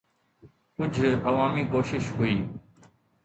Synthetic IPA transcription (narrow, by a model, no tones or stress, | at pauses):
kʊd͡ʒʱəʋaːmiːkoːʃɪʃɦʊiː